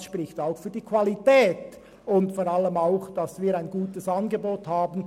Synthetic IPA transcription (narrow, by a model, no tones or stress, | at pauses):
ʃpɾɪçtaʊxfyːɐd̥iːkʰʋ̥alitɛːt | ʊntfɔːɾɑləmaʊxd̥ɑsviːɾaɪnɡuːtəsɑnɡeboːthaːbən̩